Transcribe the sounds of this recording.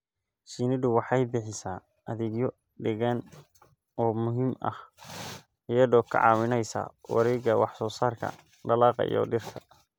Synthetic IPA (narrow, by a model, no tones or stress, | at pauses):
ʃiːnɪðʊwɑħɑjbɪħɪsaː | ʔɐðɪɡjɔ | ɖɪɣan | ɔːmʊɦɪmɐ̰h | ɪjɐðɔːkʰɐ̰ʕɑ̰ːwɪnɛjsa̰ːwɑ̰ɾɛːɡɐwɑħsɔːsaːrkʰɐ̰ | ɖɐlɑːqɑ̰jɔ̰ɖɪrkʰɐ